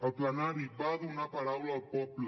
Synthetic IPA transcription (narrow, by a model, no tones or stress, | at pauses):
ɔplanãɾiɡ͡baðũnãpaɾaulɔk͡pɔpla